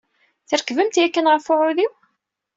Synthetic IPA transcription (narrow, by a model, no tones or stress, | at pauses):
θəɾkːvəmt̪jækːənʁfʊʕʊðiw